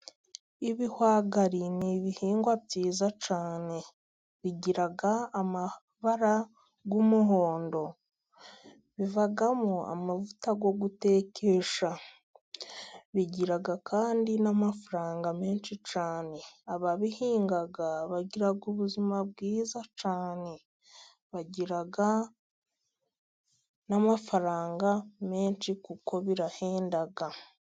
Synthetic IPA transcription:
iβihwaːɡaɾiniβihiːŋɡwabjiːzat͡ʃaːne̞ | βiɟiɾaɡaːma | βaɾa | ɡumuɦo̞ːndo̞ | βivaɡamua̰mavutaɡo̞ɡute̞ːkʰe̞ʃa | βiɟiɾaɡakʰaːndinamafɾaːŋɡame̞ːnʃit͡ʃaːne̞aβaβihiːŋɡaɡaβaɟiɾaɡuβuzimaβ̚ɡiːzat͡ʃaːne̞ | βaɟiɾaɡa | namafaɾaːŋɡame̞ːnt͡ʃikuko̞βiɾahe̞ːndaɡa

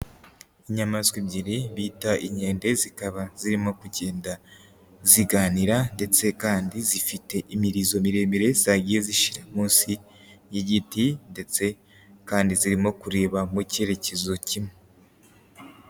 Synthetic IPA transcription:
iɲamaskwibɟiɾiβiːtaʔiɲe̞ːnde̞zikaβaz̥iɾimo̞kuɟe̞ːnda | ziɡaːniɾande̞t͡se̞kaːndizifite̞ʔimiɾizo̞miɾe̞ːmiɾe̞z̥aɡijeziʃi̥ɾamuːnsi | jiɟitinde̞t͡se̞ | kaːndiziɾimo̞kuɾe̞ːβamuce̞ɾe̞ce̞zo̞cime

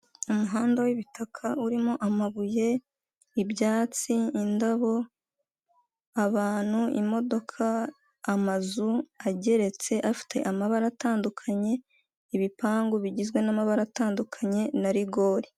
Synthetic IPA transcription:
umuɦaːndawiβitakʰauɾimoʔamaβuje̞ | ibɟaːt͡siːndaβo̞ | aβaːn̥huḭmo̞do̞kʰaː | mazuaɟe̞ɾe̞t͡se̞ʔafi̥tʰe̞̰ʔamaβaɾataːndukʰaɲe̞ | iβipaːŋɡuβiɟizɡwe̞namaβaɾataːndukʰaɲe̞naɾiɡo̞ːɾi

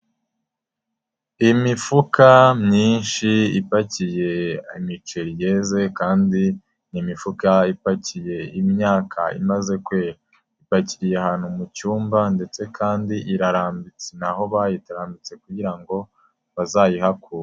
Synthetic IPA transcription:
imifukamɲiːnʃiipacije̞imit͡ʃeɾije̞ze̞kaːndi | nimifukaipacije̞imɲaːkʰa̰ḭmaze̞kwe | ipaciɾjehaːn̥humucuːmbande̞t͡se̞kʰaːndiʔiɾaɾaːmbit͡senaho̞βajitaɾaːmbit͡se̞kuɟiɾaŋɡo̞ | βazaːjihakuːɾa

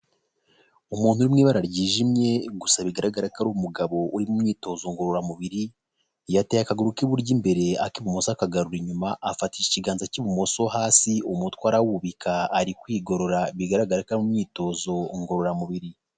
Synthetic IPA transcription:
umuːn̥huɾimŋiːβaɾaɾɟiːʒimɲe̞ɡusaβiɡaɾaɡaɾakaɾuβumuɡaβo̞ʔuɾimumɲiːto̞ːzo̞ŋɡo̞ɾoɾamuβiɾi | jatejakaɡuɾukiβuɾɟimbe̞ɾe̞akiβumo̞sakaɡaɾuɾiɲumaʔafatijiciɡaːnzaciβumo̞so̞ɦaːsiumutwaːɾawuuβikʰaːɾikwiːɡo̞ɾo̞ɾaβiɡaɾaɡaɾakaɾmumɲiːto̞zo̞ŋɡo̞ɾo̞ɾamuβiɾi

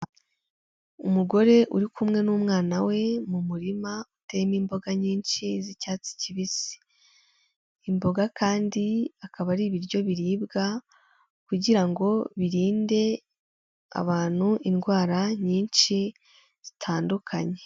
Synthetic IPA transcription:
umuɡo̞ɾe̞ʔuɾikumŋe̞nuːmŋaːnawe̞mumuɾimaute̞miːmbo̞ɡaɲiːnʃizicaːt͡si̥ciβisi̥ | mbo̞ɡakaːndiakaβaɾiːβiɾɟo̞βiɾiːbɡa | kuɟiɾaŋɡo̞βiɾiːnde̞ | a̰βaːn̥huʔinɡwaːɾaɲiːnʃi | z̥itʰaːndukʰaɲe̞

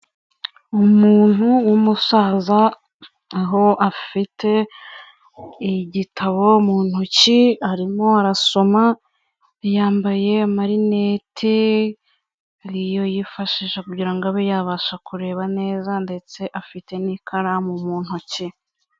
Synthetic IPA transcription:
umuːn̥huwumusaːzaː | ɦo̞ʔafitʰe̞ | iɟitʰaβo̞muːn̥huciaɾimo̞aɾaso̞ma | jaːmbaje̞maɾinetʰe | ɾijo̞jifaʃiʃakuɾɟiɾaŋɡoaβejaːβaːʃakuɾe̞ːβane̞ːzande̞t͡se̞ʔafite̞nikʰaɾamumuːn̥huci

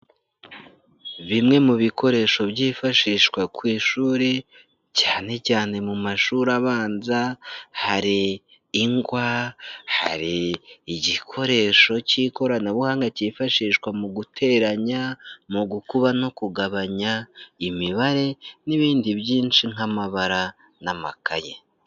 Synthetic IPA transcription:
βimŋe̞muβikʰo̞ɾe̞ʃo̞bɟiːfaʃiːʃkwakwiːʃuːɾe | caːne̞caːne̞mumaʃuɾaβaːnzahaɾiː | ŋɡwaha̰ɾiːɟikʰo̞ɾe̞ʃo̞ciːko̞ɾanaβuhaːŋɡacifaʃiːʃkwamuɡutʰe̞ːɾaɲamuɡukuβano̞kuɡaβaɲaimiβaɾe̞niβiːndiβjiːnʃiŋ̥amaβaɾa | namakaje

